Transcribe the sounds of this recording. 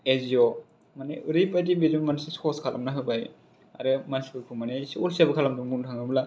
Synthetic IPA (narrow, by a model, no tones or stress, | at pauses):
eziɔ | maneɯɾipajtibeɾmansesɔskʰalʔa̰mnaɦɯbaj | a̰ɾɯmanskɯɾkʰumanesolsabɯkʰalamdumuntʰaŋɯbla